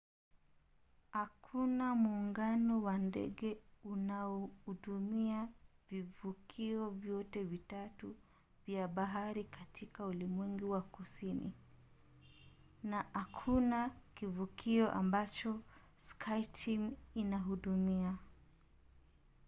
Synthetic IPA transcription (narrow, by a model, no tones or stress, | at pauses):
hakʰunamuːŋɡanɔwandɛ̰ɠɛunaɔhuɗumiavivukʰiɔvjɔtɛvitatu | vjaɓaɦaɾikatʰikaulimwɛŋɡiwakusinḭ | nahakʰunakivukiɔʔa̰mbat͡ʃɔ | skʰajtʰiminaɦuɗumia